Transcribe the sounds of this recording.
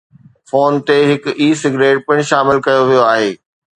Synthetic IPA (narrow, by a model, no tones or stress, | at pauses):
foːnt̪eɦɪkiːsɪɡɾeːʈ̚pɐɽ̃ʃaːmɪlkɐjoʋijoaːɦeː